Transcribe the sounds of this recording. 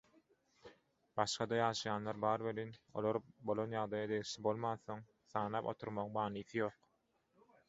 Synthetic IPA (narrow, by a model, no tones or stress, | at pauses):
b̥ɑʃqɑd̪ɑjɑːʃɑjɑːnlˠɑɾbɑːɾβelino̞̰lˠoɾbo̞lˠonjɑʁd̪ɑjɑd̪e̞ɣiʃlibo̞lˠmɑːnθo̞ŋ | θɑːnɑːpo̞̰t̪ʰuɾmɑʁŋbɑːniːθijo̞ːq